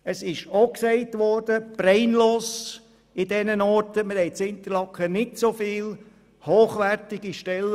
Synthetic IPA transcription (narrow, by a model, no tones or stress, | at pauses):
əsɪʃoksɛɪtʋɔrd̥əb̥ɾɛɪnloːs | ɪdɛnənɔɾtəməɾɛɪt͡sɪnt̪əlɑkχənɪtsofiːl | hoːχʋærtɪɡiʃtɛl